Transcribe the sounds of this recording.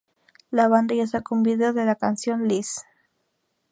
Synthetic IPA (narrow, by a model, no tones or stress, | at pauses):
laβand̪ajasakumbiðeoðelakansjonlis